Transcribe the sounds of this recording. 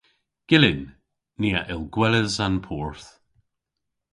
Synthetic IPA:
ɡ̥ɪlɪnː | iːaʔɪlˠɡwɛləzanpʰɔɹθ

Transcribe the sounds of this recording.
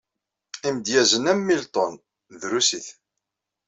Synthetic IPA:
imd̪jæzənæmːilt̪ˤon | ðɾusiθ

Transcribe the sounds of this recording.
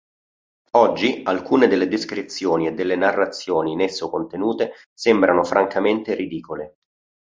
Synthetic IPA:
ɔd͡ʒːialkuːned̪elːed̪iskɾit̪sːjoːnied̪ːelːenarːat̪sːjoːninesːokont̪enuːt̪e | sɛmbɾʔanofɾaŋkʰament̪eɾid̪iːkole

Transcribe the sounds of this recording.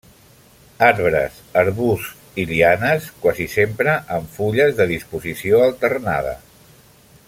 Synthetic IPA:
aɾβɾə̰səɾβus | ilianəskwazisempɾəʔəɱfuʎəzðəðispuzisioəlˠt̪ərna̰ð̞ə̰

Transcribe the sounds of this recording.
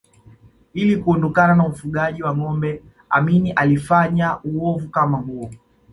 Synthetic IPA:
ilikuɔndɔkananam̩ufuɠaʄiwaŋɔmbɛ | a̰miniʔalifaɲauwɔvukamaɦuɔ

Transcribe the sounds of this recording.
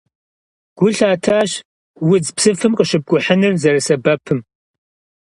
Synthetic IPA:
ɡ̥ʷʊɬaːtʰaːɕ | wʊd͡zpsɨfɨmqəʃɪb̚ɡʷʊħənɨrzɐrɐsɐbɐpʰɨm

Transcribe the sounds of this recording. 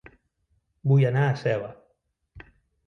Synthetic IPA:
bujanaːsɛβa

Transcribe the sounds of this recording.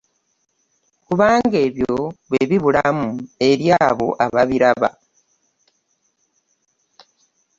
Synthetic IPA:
kuβaːŋɡe̞ːβjoβweβiβulamue̞ɾjaːβo̞ʔaβaβiɾaβa̰

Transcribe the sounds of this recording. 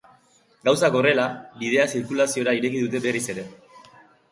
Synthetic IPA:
ɡawsako̞re̞labið̞e̞asiɾkulasio̞ɾaiɾe̞kiðut̪e̞be̞rise̞ɾe̞

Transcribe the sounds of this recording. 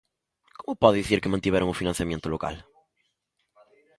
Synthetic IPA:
komʊpɔððiθiɾkɨmɐ̃nt̪iβɛɾɐ̃ŋʊfinɐ̃sjɐmjẽnt̪ʊloka̰l

